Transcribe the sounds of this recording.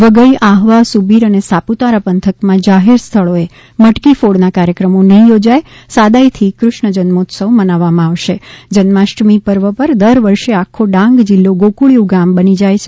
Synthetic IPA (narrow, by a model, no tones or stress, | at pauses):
ʋəɡəiʔaɦʋasubiɾənesaput̪aɾapənt̪ʰəkmãd͡ʒaɦeɾst̪ʰəɭoe | məʈkifoɽnakaɾjəkɾəmonəɦĩjod͡ʒajsad̪ajt̪ʰikɾʊʃɳəd͡ʒənmot̪səʋmənaʋːamãaʋʃed͡ʒənmaʃʈmipəɾʋəpəɾd̪əɾʋəɾʃeakʰːoɖãŋɡd͡ʒilːoɡokuɭjuɡambənid͡ʒajt͡ʃʰe